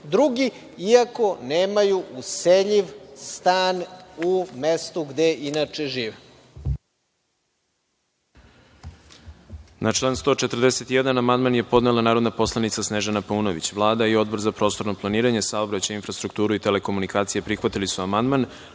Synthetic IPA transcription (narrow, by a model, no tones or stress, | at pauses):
d̪ɾuɡi | iako̞neːmajuʔuseʎiʋst̪aːnumest̪uɡd̪eʔinat͡ʃeʒiːʋe | nʔat͡ʂlˠaːnst̪o̞t͡ʃe̞t̪ərd̪ese̞t̪ijed̪anamand̪manje̞po̞d̪nelanaːɾo̞d̪napo̞slˠanit̪sasneʒanapuːno̞ʋḭt͡ɕʋlˠaːd̪aio̞d̪̚bo̞ɾzapɾo̞ːst̪o̞ɾnoplˠaniːɾaɲe̞saobɾat͡ɕajinfɾast̪ɾukt̪uːɾuit̪e̞le̞ko̞munikaːt̪sijepɾixʋat̪ilisuamand̪man